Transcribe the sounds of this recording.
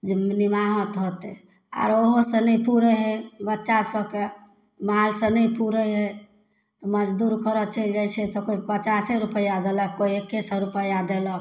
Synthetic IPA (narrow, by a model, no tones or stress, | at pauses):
d͡ʒenimaɦət̪ɦot̪ɛ | a̰ɾoɦosə̃nɛjpuɾɛɦɛbətːʃasəbke | malsə̃nɛjpuɾəɦe | t̪ɔməd͡ʒd̪uɾkəɾət͡ʃəld͡ʒajt͡ʃʰɛt̪ɔkoipət͡ʃaseɾupəjad̪eləkkːoiekːesəɾupəjad̪elək